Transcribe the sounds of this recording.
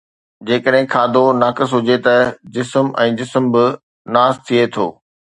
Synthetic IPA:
d͡ʑeːkəɗɦɪ̃kʰaːd̪ʱonaːkəsɦʊd͡ʑet̪ɐd͡ʑɪsmɛ̃ːd͡ʑɪsəmbɪ | naːst̪ʰiet̪ʰo̰ː

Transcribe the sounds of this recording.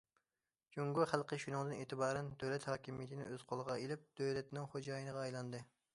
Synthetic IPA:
d͡ʒuŋɡuχælˠqʰəʃunɨŋd̪ɨneːt̪ʰɨbɑːɾɛnd̪øwlɛt̪hɑːkʲimijɛt̪ʰɪnɪ̰øz̥qʰolˠəʁɑelɪp̚d̪̥øwlɛt̪nɪŋχod͡ʒɑːjinɨʁɑːjlˠɑnd̪ɨ

